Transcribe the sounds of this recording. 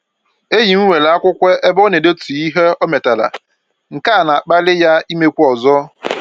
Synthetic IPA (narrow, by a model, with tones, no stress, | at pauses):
e˦ji˨ŋ̩˦we˨la˨˦a˦kʷʊ˦kʷe˦e˦bo˦ne˨de˦tu˨i˦ɦe˦ɔ˦me˨ta˨la̰˨ | ŋ̩˨ka˦˨na˨k͡pa˦lɪ˦ja˦i˦me˦kʷu˦ɔ˨zɔ˦